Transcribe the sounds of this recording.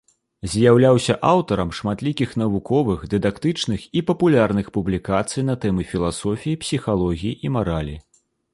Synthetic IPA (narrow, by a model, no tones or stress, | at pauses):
zʲjawlʲawsʲɐʔawt̪ɐɾɐmʂmat̪lʲikʲixn̪ɐvukɔvɨxd̪ɨd̪akt̪ɨt͡ʂnɨxipɐpulʲarnɨxpublʲikat̪sɨjnɐt̪ɛmɨfʲilˠasɔfʲijipsʲixalˠɔɣʲijiʔimaɾalʲḭ